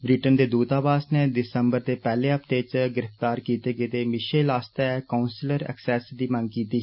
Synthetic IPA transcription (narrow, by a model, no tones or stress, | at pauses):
bɾiːʈənd̪eːd̪uːt̪aːbaːsneːdɪsəmbəɾd̪eːpɛːleːəpd̪eːt͡ʃɡɪɾəft̪aːɾkiːt̪eːɡeːd̪eːmɪʃeːlaːst̪ɛːkaːʊnsləɾɛ̰ksɛːsd̪iːməŋɡkiːt̪iː